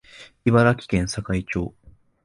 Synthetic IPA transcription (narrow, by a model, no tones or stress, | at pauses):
iβaɾakʲi̥kẽ̞ɰ̃sakait͡ɕo̞̰ː